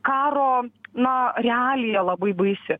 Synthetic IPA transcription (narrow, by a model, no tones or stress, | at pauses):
kɑːɾoːnɐɾʲɛæːlʲɪjɛlˠɐbɐɪbɐɪsʲɪ